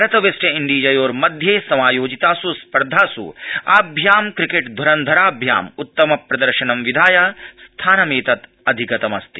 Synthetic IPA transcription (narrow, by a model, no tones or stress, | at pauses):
ɾɐt̪ɐʋesʈɐiɳɖiːd͡ʒɐjoːɾmɐd̪ʱjeːsɐmaːjoːd͡ʒit̪aːsuspɐɾd̪ʱaːsṵaːbʱjaːmkɾikeʈd̪ʱɐɾɐnd̪ʱɐɾaːbʱja̰ːmut̪ːɐmɐpɾɐd̪ɐɾʃɐnɐmʋid̪ʱaːjaːst̪ʰaːnɐmeːt̪ɐt̪ | ɐd̪ʱikɐt̪ɐmɐst̪i